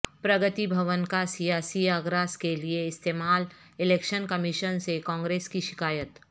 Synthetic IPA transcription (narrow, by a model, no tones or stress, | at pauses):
pɾɐɡət̪ibʱɐʋənkasijaːsiaːɡɾaːskelieɪst̪eːmaːl | ɪleːkʃənkəmiʃənsekɔ̃ːŋɡɾeːskiʃɪkaːjət̪